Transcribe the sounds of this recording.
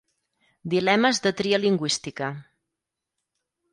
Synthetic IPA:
d̪ilɛməzðət̪ɾiəliŋɡwist̪ikə

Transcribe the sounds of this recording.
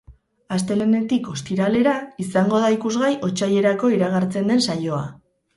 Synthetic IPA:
ast̪e̞le̞ne̞t̪iko̞st̪iɾale̞ɾaisaŋɡo̞ðaikuzɣajo̞t͡ʃaje̞ɾako̞iɾaɣ̞aɾt͡se̞nd̪e̞nsajo̞a̰

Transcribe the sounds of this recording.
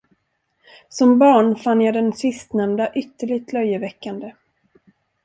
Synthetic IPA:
sɔmbɑːɳfanːjad̪ɛnsɪst̪nɛmd̪aʔʏt̪ːəɭɪɡt̪ʰlœjːəvɛkːand̪ə

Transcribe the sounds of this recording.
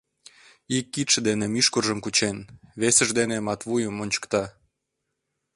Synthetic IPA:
ikːit̪ʃə̆d̪enemyʃkurʒəmkut͡ɕenβesəʒd̪enemɑt̪βujəmonʲt͡ɕə̥kt̪ɑ

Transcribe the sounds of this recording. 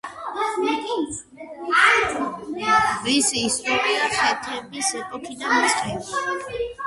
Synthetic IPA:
visiːst̪ʼɔɾiaχɛt̪ʰɛbisɛkʼɔt̪ʰid̪anisχʰʼɛl

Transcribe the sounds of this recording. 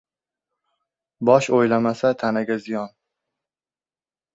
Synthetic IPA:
bɒʃojlamasat̪ʰanaɡʲazɪjɒn

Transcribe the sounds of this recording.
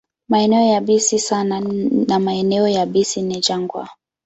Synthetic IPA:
maɛnɛɔjaɓisisananamaɛnɛɔjaɓisinid͡ʒaŋɡwa̰

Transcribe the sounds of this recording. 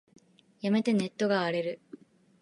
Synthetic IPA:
jɐmet̪ːenet̪ːoɡaːɽeɾɯ

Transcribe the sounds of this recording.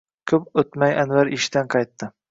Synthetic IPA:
kʲʰɵpɵt̪majʔanvaɾɪʃd̪anqʰɑjt̪ːɪ

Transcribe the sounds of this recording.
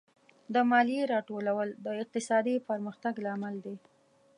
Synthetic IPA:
d̪əmɑlijeɾɑʈolawəld̪əɪq̚t̪ɪsɑd̪ipəɾməxt̪aɡlamald̪e

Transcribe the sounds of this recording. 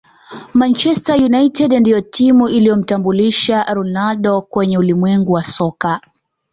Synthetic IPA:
mant͡ʃɛstajunaitɛdndijɔtʰimuʔilijɔm̩tambuliʃaɾɔnalɗɔkwɛɲɛulimwɛŋɡuwasɔka

